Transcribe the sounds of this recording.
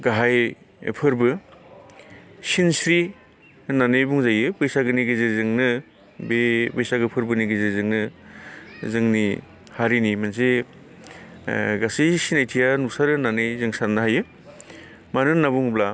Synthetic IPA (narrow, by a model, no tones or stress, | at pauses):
ɡaɦaj̰ | pʰɯɾbɯ | sinsɾi | nanɯjbuŋzajɯbɯjsaɡɯniɡezeɾzɯŋnɯ | bebɯjsaɡɯpʰɯɾbɯniɡezeɾzɯŋnɯ | zɯŋni | haɾinimans̬e | ɡasisinajtʰijanusaɾɯnanɯjzɯŋsanːɯɦajɯ | manɯnabuŋbla